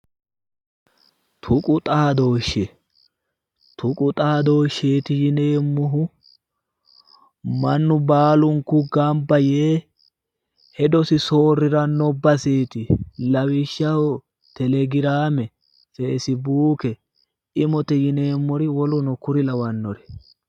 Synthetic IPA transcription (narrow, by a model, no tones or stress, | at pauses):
t̪ʰʊkʼʊt̪ʼaːd̪oːʃːɛ | t̪ʰʊkʼʊt̪ʼaːd̪oːʃːeːt̪ɪjɪne̞ːmːɔɦʊ | mɐnːʊbaːlʊŋkʊɡɐmbɐjeː | hɛd̪ɔsɪsoːrːɪɾɐnɔbːɐseːt̪ɪlɐwɪʃːɐhɔ | t̪ɛlɛɡɪɾaːmɛ | feːsɪbuːkɛ | ɪmɔt̪ɛjɪne̞ːmːɔɾɪwɔlʊnɔkʊɾɪlɐwɐnːɔɾɛ